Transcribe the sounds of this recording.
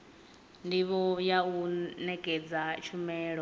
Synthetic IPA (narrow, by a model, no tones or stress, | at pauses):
ndiβɔjaunɛkʼɛd͡zat͡ʃʰumɛːɺɔ